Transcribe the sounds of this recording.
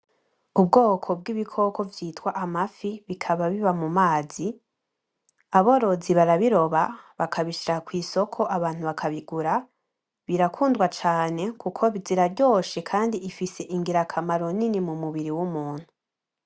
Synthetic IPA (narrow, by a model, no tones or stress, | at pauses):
ubɡo̞ːkʰo̞b̚ɡiβikʰo̞ko̞vjiːtwaʔamafiβikʰaβaβiβamumaːzi | aβo̞ɾo̞ziβaɾaβiɾo̞βaβakʰaβiʃiɾakwiːso̞kʰo̞ʔaβaːn̥huβakʰaβiɡuɾa | βiɾakʰuːndwat͡ʃaːne̞kukʰo̞βiziɾaɾɟo̞ːʃekʰaːndiʔifise̞ʔiŋɡiɾakʰamaɾo̞ninimumuβiɾiwumuːn̥hu